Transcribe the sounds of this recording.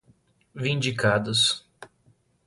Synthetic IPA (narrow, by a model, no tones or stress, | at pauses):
vĩnd͡ʒikad̪ʊs